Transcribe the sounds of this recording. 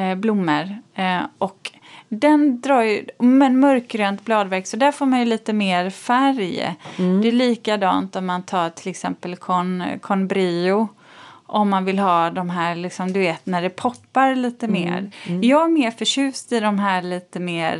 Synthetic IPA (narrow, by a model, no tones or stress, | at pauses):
blʊmːəɾʔɔk | d̪ɛnd̪ɾɑːɾjmɛnmœɾkɾœːnt̪blɑːd̪væɾksɔd̪æɾfoːɾmanjɵliːt̪əmeːɾfæɾjd̪ɛæliːkad̪ɑ̰ːnt̪ɔmːant̪ʰɑːɾʈʰɪlɛksɛ̰mpəlkʰɔnkʰɔnbɾiːʊ | ʔɔmːanvɪlɦɑːd̪ɔmɦæːɾɭɪksɔmd̪ɵveːt̪næɖɛpʰɔpːaɾliːt̪əmḛːɾjɑːɡæɾmeːɾfœʂʉ̟ːst̪ɪd̪ɔmɦæːɭiːt̪əmeːɾ